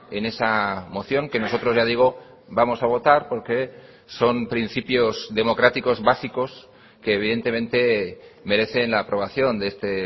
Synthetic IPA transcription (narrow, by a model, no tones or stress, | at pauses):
e̞ne̞samo̞θjo̞ŋke̞no̞so̞t̪ɾo̞zʝaðiɣ̞o̞ | bamo̞saβ̞o̞t̪aɾpo̞ɾke̞ | so̞mpɾinθipjo̞zðe̞mo̞kɾat̪iko̞zβasiko̞s | ke̞ːβiðe̞nt̪e̞mẽ̞nt̪e̞me̞ɾe̞θe̞nlaːpɾo̞β̞aθjo̞nd̪eest̪e̞